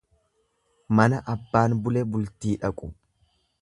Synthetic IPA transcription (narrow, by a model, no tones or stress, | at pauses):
mɐnɐʔɐbːaːnbʊlɛbʊlt̪iːᶑɐkʼʊ